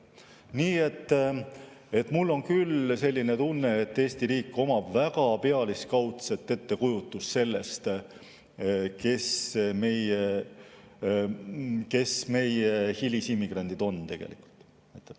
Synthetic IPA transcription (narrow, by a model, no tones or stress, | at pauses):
niːe̞t̪ˑː | e̞t̪ːmulːo̞nkylse̞lʲːine̞t̪unːe̞et̪ːe̞ːst̪iɾiːkːˑo̞mɑb̥vækɑpe̞ɑliskɑwt̪set̪ːe̞t̪ːe̞kujut̪ːˑusse̞lːe̞st̪ | ke̞sme̞je | ke̞sme̞jehilʲisimːiɡ̥rɑnʲd̪id̪̥o̞nt̪e̞ɡ̥ḛlḭku̥lt̪ | et̪ːˑ